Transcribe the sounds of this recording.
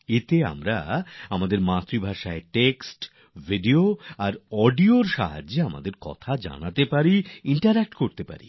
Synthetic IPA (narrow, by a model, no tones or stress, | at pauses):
et̪ea̰mɾaamad̪eɾmat̪ɾibʱaʃaeʈeksʈ | vʱiɖioaɾɔɖioɾʃa̰ɦad͡ʑːeama̰d̪eɾkɔ̰t̪ʰad͡ʑa̰nat̪epaɾiiɳʈaɾɛk̚ʈkoɾt̪epa̰ɾḭ